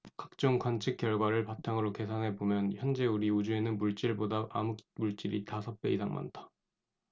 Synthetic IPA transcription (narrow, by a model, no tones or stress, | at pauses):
kak̚t͡ɕ͈oŋkwant͡ɕʰɯk̚k͈jʌɭɡwaɾɯɭpatʰaŋɯɾoke̞sʰaŋɦe̞bomjʌnçjʌnd͡ʑe̞uɾiud͡ʑue̞nɯnmuɭt͡ɕ͈iɭbodaʔamuk̚muɭt͡ɕ͈iɾitasʰʌp̚p͈e̞isʰaŋma̰ntʰḁ